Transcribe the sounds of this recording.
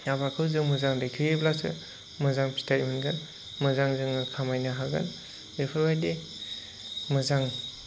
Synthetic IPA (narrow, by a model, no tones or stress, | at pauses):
jabakʰɯwzɯŋmɯzaŋdejkʰɯeblasɯ̰ | mɯzaŋpʰi̥tʰajmɯnɡan | mɯzaŋzɯŋɯkʰamajnaɦaɡa̰n | bepʰɯɾbajde | mɯzaŋ